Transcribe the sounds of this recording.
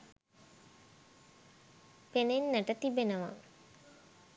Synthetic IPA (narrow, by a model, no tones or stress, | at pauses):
penenːæʈət̪ibenəʋa̰ŋ